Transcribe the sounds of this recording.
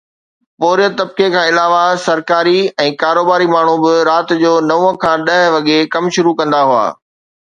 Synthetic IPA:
poːɾijət̪ɐb̚kekʰãːɪlaːʋasɐɾkaːɾiɛ̃ːkaːɾoːbaːɾimaːɳ̤ubɪɾaːt̪d͡ʑoːnɐũə̃kʰãːɗɐɦʋɐɠekɐmʃʊɾukɐ̃nd̪aɦua̰ː

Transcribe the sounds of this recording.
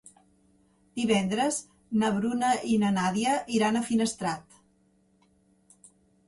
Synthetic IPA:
d̪̥iβɛnd̪ɾəz | nəβɾunəʔinənaðiəʔiɾanəfinəst̪ɾat̪

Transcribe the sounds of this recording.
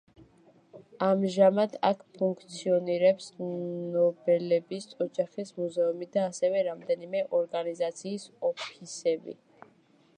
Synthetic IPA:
amʒamad̪ʰakʰpʰuŋkʰt̪sʰiɔniɾɛpsnɔbɛlɛbisʼɔd͡ʒaχismuzɛumid̪aːsɛvɛɾamd̪ɛnimɛʔɔɾɡanizat̪sʰiːsɔpʰisɛbḭ

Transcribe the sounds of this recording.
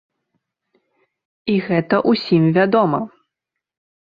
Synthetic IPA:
iɣɛt̪ɐʔusʲimvʲad̪ɔmɐ

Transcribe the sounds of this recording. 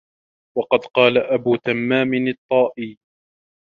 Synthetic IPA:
wɑqɑd̪qɑːlaʔabuːt̪amːaːmɪnɨt̪ˤːɑːʔiː

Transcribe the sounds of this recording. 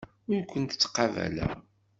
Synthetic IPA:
ʊɾkʷːənt̪ət͡sːqɑvæ̰læ̰

